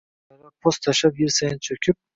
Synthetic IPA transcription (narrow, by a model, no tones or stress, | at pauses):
aɾapʰost̪ʰaʃapjɪɾsajɪnt͡ʃʰɵkʲʰɪp̚